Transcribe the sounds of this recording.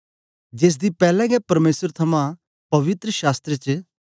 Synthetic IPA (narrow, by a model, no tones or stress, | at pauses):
d͡ʒeːs̬d̪ipɛːlɛ̃ɡɛpɐɾmeːsəɾt̪ʰɐmã | pɐʋɪt̪ɾəʃaːst̪ɾet͡ʃ